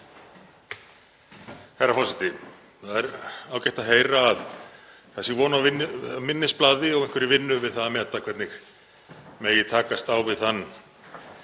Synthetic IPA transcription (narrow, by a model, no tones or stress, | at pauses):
hajɾːafɔsɛt̪ɪ | θaðɛɾaːwcɛjht̪aɦeːjɾaːð | θɛsɪvɔːnavɪnːʏmɪnːɪsplaːðɪɔɣenŋkvɪɾɪvɪnːʏvɪðθaðamɛt̪ːakʰvɛt̪nɪx | mɛðjɛt̪ʰaːkast̪awvɪðθanː